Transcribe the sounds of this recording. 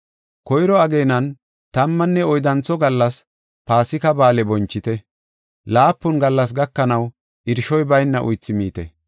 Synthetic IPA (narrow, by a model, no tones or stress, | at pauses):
kɔjɾɔɐɡeːnɐn | t̪ɐmːɐnːɛɔjd̪ɐnt͡sːɔɡɐlːɐs | paːsɪkɐbaːlɛbɔnt͡ʃːɪt̪ɛ | laːpːʊnɡɐlːɐs̬ɡɐkːɐnɐw | ʔɪɾʃɔjbɐjnːɐʔʊ̰jt͡sːɪmiːt̪ɛ̰